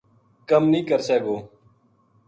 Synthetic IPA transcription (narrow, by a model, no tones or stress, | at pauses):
kəmnĩːkəɾseːɡoː